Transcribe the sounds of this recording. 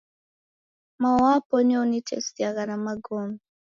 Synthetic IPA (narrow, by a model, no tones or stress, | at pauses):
mawapɔnonitʰɛ̰stiaɣanamaɡom